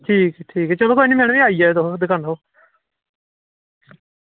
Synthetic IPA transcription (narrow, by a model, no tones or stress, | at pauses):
ʈʰiːkʈʰiːkɛt͡ʃəloːkoiniːmɛːɳʋiːaːiːɛd̪od̪ɪkãnd̪aoː